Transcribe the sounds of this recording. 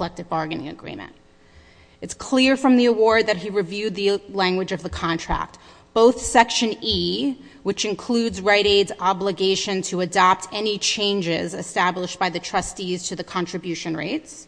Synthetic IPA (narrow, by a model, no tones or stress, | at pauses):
lɛk̚tɨvbɑɹɡnɪ̰̃ŋɨ̰ɡɹḭ̃mɨ̰̃nt̚ | ɨtskʰl̥ɪɹfɹʌ̃mðiəwɔɹd̪̚ðɨt̚ɦiɹɨvjʉd̪̚ðɨlæ̃ŋɡwɨd͡ʒʌvðɨkʰɑ̃ntʰɹ̥æ̰k̚t̚ | b̥oʊθsɛkʃɨ̃ni | wɨt͡ʃɨ̃nkʰl̥ʉdzɹaɪɾeɪdzɑbləɡeɪʃɨ̃ntʰɨɨdɑp̚tʰɛnit͡ʃʰẽɪ̃nd͡ʒɪ̰zɨstæbləʃb̥aɪðɨtʰɹ̥ʌstiz̥tʰɨðɨkʰɑ̃nt͡ʃɹ̥ɨbjʉʃɨ̃nɹḛɪts